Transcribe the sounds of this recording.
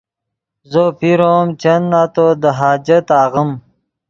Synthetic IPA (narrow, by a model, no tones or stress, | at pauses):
zopiɾoːmt͡ɕɐnːat̪od̪əɦaːd͡ʑɐt̪aːɣəm